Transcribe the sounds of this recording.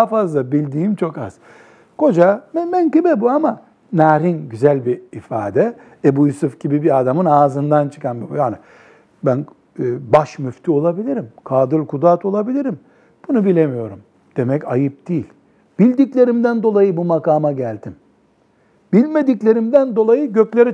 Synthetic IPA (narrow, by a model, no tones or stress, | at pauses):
hfazlˠabilʲd̪iːmt͡ʃʰo̞ka̰z̥ | kʰo̞d͡ʒamɛmænkɯbɛbuama | naːɾinɟyzælʲbiːfa̰ːd̪ɛ | ebujusufɟibibiad̪amɯnaːzɯnd̪ant͡ʃʰɯ̥kanbijaːnɪ | bænː | baʃmyft̪ʰyo̞lˠabilʲiɾimkʰaːd̪ɯlʲkud̪aːt̪ʰo̞lˠabilʲiɾim | b̥unubilʲe̞mijo̞ɾum | d̪̥e̞mɛcajɯp̚d̪̥iːlʲ | b̥ilʲd̪iclʲe̞ɾimd̪ænd̪o̞lˠajɯbumakaːmaɟælʲd̪ʰim | bilʲme̞d̪iclʲe̞ɾimd̪ænd̪o̞lˠajɯɟø̞clʲe̞ɾi